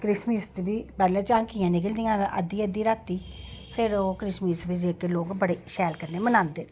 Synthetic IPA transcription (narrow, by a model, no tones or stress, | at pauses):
kɾɪsmist͡ʃbiːpɛːlɛ̃ːt͡ʃãːŋkiːãːnɪkəld̪ijãːə̰d̪iːəd̪iːɾaːt̪ːiːpʰɪɾoːkɾɪsmiːsbid͡ʒeːkeloːɡbəɽeːʃɛːlkəɾneːmənãːnd̪eː